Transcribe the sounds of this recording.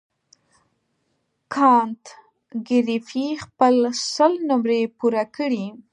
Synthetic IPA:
kʰɑnt̪ | ɡɪɾifixpəlsəlnʊmɾepuɾakəɽi

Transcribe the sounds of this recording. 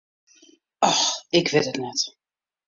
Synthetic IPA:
ʔɔxɪkʋɪtətnɛt

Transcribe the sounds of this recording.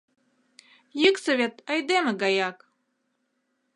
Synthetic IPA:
jɨksɤvʲet̪ɑjd̪emɘ̆ɡɑjɑk

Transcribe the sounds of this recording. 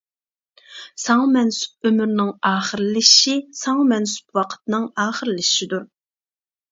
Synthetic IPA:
sɑŋɑmɛnsu̥p̚ømyɾnɪŋɑːχəɾɨlɪʃisɑŋmɛnsu̥pwɑqʰə̥t̪̚nɨŋɑːχəɾɨlɪʃʃid̪uɾ

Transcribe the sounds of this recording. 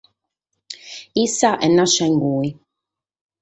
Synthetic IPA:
isaʔɛnaʃɛŋɡui

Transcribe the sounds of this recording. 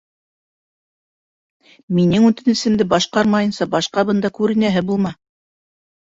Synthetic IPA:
minɘŋʉt̪ɘnɘ̆sɘ̆md̪ɘbɑʃqɑɾmɑjɤ̆nsɑbɑʃqɑbɤ̆nd̪ɑkʉɾɘ̆næɦɘbulˠmɑ

